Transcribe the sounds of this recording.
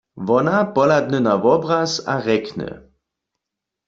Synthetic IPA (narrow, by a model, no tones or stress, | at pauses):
ʋɔnapɔlad̪̚nənaʋɔbʁasa̰ʁɛknə̰